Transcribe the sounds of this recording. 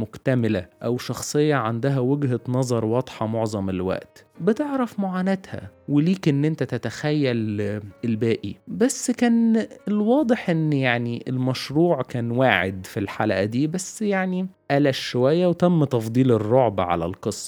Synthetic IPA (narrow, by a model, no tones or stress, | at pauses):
mokt̪æmelæʔæwʃɑxsˤejːɑʕand̪æɦæweɡɦænɑzˤɑɾˤwɑd̪ˤħɑmoʕzˤɑmelwæ̰ʔt̪bet̪eʕɾæfmoʕaːnæt̪hæ̰weliːkʔenːʔent̪æt̪æt̪æxæjːælelbæːʔibæsːkæːnelwɑːd̪ˤeħʔenːjaʕniʔelmæʃɾuːʕkæːnwaːʕḛd̪filħalæʔæd̪iːbæsːjaʕniʔælæʃʃowæjːæwet̪æmːt̪ɑfd̪ˤiːlerˤːoʕbæ̰ʕa̰læ̰lqɨsˤːɑ̥